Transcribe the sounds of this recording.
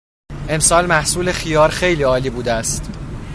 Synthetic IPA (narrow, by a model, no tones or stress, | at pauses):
ʔe̞msɒːlmæhsuːle̞xijɒːɾxe̞jliːɒːliːbuːd̪eæst̪